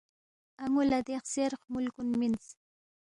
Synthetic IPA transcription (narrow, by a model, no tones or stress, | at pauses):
aŋʊlad̪eχseɾχmʊlkʊnmɪnt͡s